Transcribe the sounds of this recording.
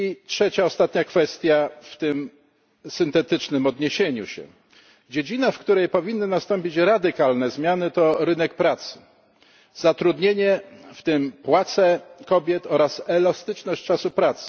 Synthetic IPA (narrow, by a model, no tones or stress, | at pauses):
itʂɛt͡ɕaɔst̪at̪ɲakfɛst̪ʲjaft̪ɘm | sɘnt̪ɛt̪ɘt͡ʂnɘmɔd̪ɲeɕeɲṵɕɛ̰ | d͡ʑed͡ʑinafkt̪uɾɛjpɔvʲinːɘnast̪ɔmpʲit͡ɕɾad̪ɘkalnɛzmʲjanɘt̪ɔɾɘnɛk̚pɾat̪sɘ̥ | zat̪ɾud̪ɲeɲɛft̪ɘmpwat̪sɛkɔbʲjɛt̪ɔɾasɛlast̪ɘt͡ʂnɔɕt͡ɕt͡ʂasupɾat̪s